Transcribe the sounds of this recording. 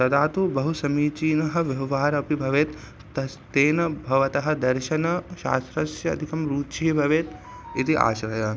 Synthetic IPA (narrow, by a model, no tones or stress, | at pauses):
t̪ɐd̪aːt̪ubɐɦusɐmiːt͡ʃiːnɐɦɐ̆ʋjɐʋʋaːɾɐpibʱɐʋeːt̪ | t̪ɐst̪eːnɐbʱɐʋɐt̪ɐɦɐ̆d̪ɐɾʃɐnɐʃa̰ːst̪ɾɐsjɐɐ̰d̪ʱikɐmɾuːt͡ʃʰiibʱɐʋeːt̪ | it̪iʔa̰ːʃɾɐjaː